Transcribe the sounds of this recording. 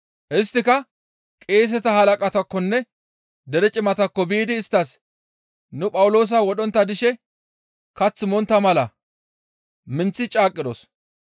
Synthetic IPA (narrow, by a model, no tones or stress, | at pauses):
ʔɪst̪ːɪkɐ | kʼe̞ːs̬ɛt̪ɐhɐlɐkʼɐt̪ɐkːɔnːɛ | d̪ɛɾɛt͡ʃʼɪmɐt̪ɐkːɔbiːd̪ɪːst̪ːɐs | nʊpʼɐwʊlo̞ːs̬ɐwɔɗɔnt̪ːɐd̪ɪʃɛ | kɐt͡sːɪmɔnt̪ːɐmɐlɐ | mɪnt͡sːɪt͡ʃʼaːkʼːɪd̪ɔ̰s